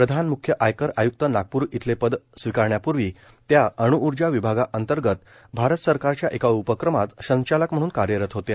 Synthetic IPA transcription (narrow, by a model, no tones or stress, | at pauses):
pɾəd̪ʱanmukʰjəʔajkəɾajuk̚t̪ənaɡ̚puːɾit̪ʰlepəd̪sʋikaɾɳjapuɾʋiː | t̪jaəɽ̃uʔːɾd͡ʑaʋibʱaɡaʔənt̪əɾɡət̪ | bʱaɾət̪səɾkaɾt͡ɕjaʔekaupəkɾəmat̪ɕə̃ɲt͡ɕaləkm̤əɽ̃uːnkaɾjəɾət̪ɦot̪e